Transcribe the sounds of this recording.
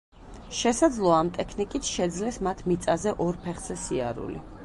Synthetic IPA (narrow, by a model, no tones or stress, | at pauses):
ʃɛsad̪zlˠɔaːmt̪ʼɛkʰnikʼit̪ʰʃɛd̪zlɛsmat̪ʰmit̪sʼazɛʔɔɾpʰɛχz̥ɛsia̰ɾṵlḭ